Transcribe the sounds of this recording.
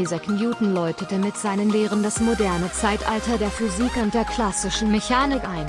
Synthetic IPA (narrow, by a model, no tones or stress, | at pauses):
izɐkʰmjuːtn̩lɔʏtətəmɪtz̥aɪnənleːʁəndasmodɛɐnət͡saɪtʔa̰ltɐdeːɐfyziːkʊnt̚d̥eːɐkʰl̥asɪʃn̩meçaːnɪkʔaɪn